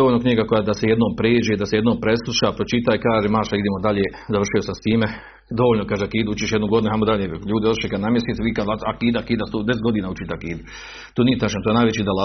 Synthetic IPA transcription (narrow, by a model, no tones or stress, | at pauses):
oʋolʲnokɲiːɡako̞jaːd̪asejed̪noːmpɾeːd͡ʒed̪aseje̞d̪noːmpɾe̞slˠuʃapɾot͡ʃit̪aikaːʒeːmaːʃaid̪eːmod̪aʎeː | zar̩ʃiosamst̪iːme | d̪o̞ʋolnokaːʒeakiːd̪uut͡ʃiʃjed̪nuɡo̞d̪inuɦajmod̪aʎeːʎuːd̪ioɾiʃekad̪namjeset̪ʋiːkad̪aakiːd̪akiːd̪ast̪oːd̪es̬et̪ɡo̞d̪iːnaːut͡ʃit̪eakiːd̪u | t̪oːnijet̪aʃant̪ojenajʋet͡ɕiːd̪ala